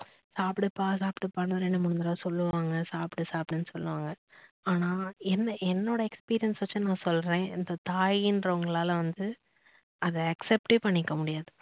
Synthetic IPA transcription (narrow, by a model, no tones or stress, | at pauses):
saːpɪʈɯpːaːs̬aːpʈɯpɐɳːɐɾenːɐmʊɽnd̪ɐɾãːsɔlːɯʋaːŋɡɐsaːpʈɯsaːpʈɐnːɯsɔlːɯʋaːŋɡɐ | aːnaːɛnːɐʔɛnːoːɽɐɛkspiːɾɪjɐnsʋɐt͡ʃːɯnãːsɔlːɾẽːɪnd̪ɐt̪aːjɪndɾɐʊŋɡɐɭaːlɐʋɐnd̪ɯ | ɐðɐɐksɛpʈeːpɐɳːɪkːɐmʊɽɪjaːðɯ